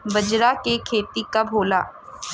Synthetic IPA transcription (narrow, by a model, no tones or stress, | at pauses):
bɐd͡ʒɾakekʰeːt̪ikabʱoːla̰ː